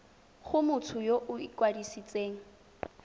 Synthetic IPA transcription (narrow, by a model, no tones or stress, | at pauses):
χʊmʊtʰʊjoʔʊikwadisit͡sʼeːŋ̩